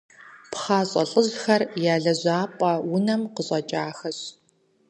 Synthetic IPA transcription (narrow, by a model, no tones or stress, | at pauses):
pχaːɕʼɐ̰ɬʼəʑxɐrjaːɮɐzaːpʼɐwʊnɐmqəɕʼɐt͡ʃʼaːxɐɕ